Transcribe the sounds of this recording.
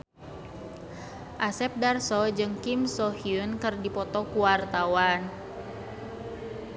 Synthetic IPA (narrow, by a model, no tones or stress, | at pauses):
ʔasɛp̚darsɔd͡ʒɨŋkimsɔhiunkɨrdipɔt̪ɔkuwart̪awan